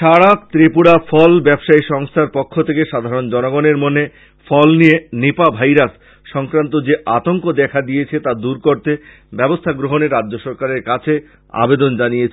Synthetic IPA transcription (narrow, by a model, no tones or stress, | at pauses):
ʃaɽak̚t̪ɾipuɽafʰɔlbɛbʃaiʃɔŋst̪ʰaɾpokʰːot̪ʰekeʃad̪ʱaɾond͡ʑɔnoɡoneɾmone | fɔlnijenepabʱajɾas | ʃɔŋkɾant̪od͡ʑeʔat̪oŋkod̪ɛkʰad̪ijet͡ɕʰet̪ad̪uɾkoɾt̪e | bɛbost̪ʰaɡɾoɦoneɾad͡ʑːoʃɔɾkaɾeɾkat͡ɕʰe | a̰bed̪ond͡ʑanijet͡ɕʰ